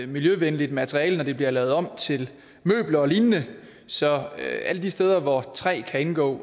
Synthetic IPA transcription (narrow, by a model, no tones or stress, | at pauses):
miljøʋenəlid̥mæt͡sʰʁiɛːlnɒd̥e̝b̥liɐlɛʊð̞̩ˠɒ̽m̰t͡sʰe̝l | mø̰ːb̥lɐɒ̽liːnnə | sɒ̽øæləd̥isd̥eːð̞ˠɐʋɒt͡sʰʁɛ̰ːkʰæe̝nɡ̥ɔ̰ː